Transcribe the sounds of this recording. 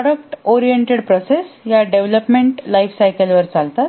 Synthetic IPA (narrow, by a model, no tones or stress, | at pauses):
ɽək̚ʈɔɾijeɳʈeɽpɾɔsesjaɖeʋləpmeɳʈlajfsajkəlʋəɾt͡salt̪at̪